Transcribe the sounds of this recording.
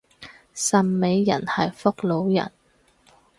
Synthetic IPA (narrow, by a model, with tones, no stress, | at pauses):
sɐ˨˧mme˨˥jːɐ̰˨˩nhɐ˨jfʊ˥k̚lo˨˧wjɐ̰˨˩n